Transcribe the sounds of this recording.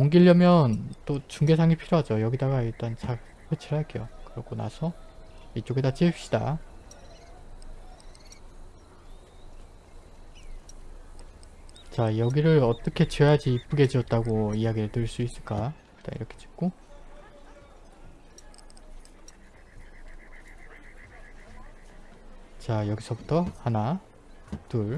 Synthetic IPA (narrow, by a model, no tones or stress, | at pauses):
oŋɡiʎːʌmjʌnt͈ot͡ɕuŋɡe̞sʰaŋipʰiɾjoɦad͡ʑojʌɡidaɡaiɭt͈ant͡ɕa | kʰet͡ɕʰiɾɦaɭk͈ejʌkɯɾʌɡona̰sʰʌit͡ɕ͈oɡedat͡ɕ͈iɕ͈ida̰ | t͡ɕajʌɡiɾɯɾʌt͈ʌkʰe̞t͡ɕeɦad͡ʑiːp͈ɯɡe̞d͡ʑiʌt̚t͈aɡoijaɡiɾɯɭtɯɭs͈uis͈ɯɭk͈a | t͈a̰ḭɾʌkʰe̞t͡ɕi̥p̚k͈o | t͡ɕajʌɡisʰʌbutʰʌhana | tuɭ